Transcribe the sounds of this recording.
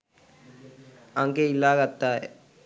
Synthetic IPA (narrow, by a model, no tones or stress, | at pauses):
aŋkeilːaːkat̪ːaːj